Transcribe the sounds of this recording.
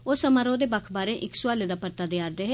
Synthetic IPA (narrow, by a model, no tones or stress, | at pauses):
oːsəmaːɾõːd̪eːbəkʰbaːɾẽːʔɪksʊaːled̪aːpəɾt̪aːd̪ɪjaːɾd̪eːɦɛ